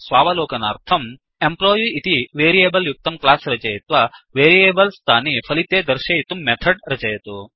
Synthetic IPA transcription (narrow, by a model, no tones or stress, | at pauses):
sʋaːʋɐloːkɐna̰ːɾt̪ʰɐm | emploːjiit̪iʋeːɾijeːbɐljuk̚t̪ɐmklaːsɾɐt͡ʃɐjɐt̪ʋɐʋeːɾieːbɐlst̪ʰaːnipʰɐlit̪eːd̪ɐɾʃɐjit̪umːet̪ʰɐɖɾɐt͡ʃɐjɐt̪u